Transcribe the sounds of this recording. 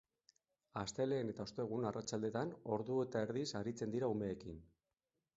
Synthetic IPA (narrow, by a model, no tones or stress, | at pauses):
ast̪e̞le̞ːne̞t̪ao̞st̪e̞ɣ̞unarat͡ʃald̪e̞t̪ano̞ɾðue̞t̪ae̞ɾðisaɾit͡se̞nd̪iɾaume̞ːkin